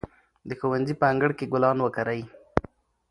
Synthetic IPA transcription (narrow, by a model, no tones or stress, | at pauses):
d̪əxowanzipəaŋɡəɽkeɡʊlɑnwəkaɾaj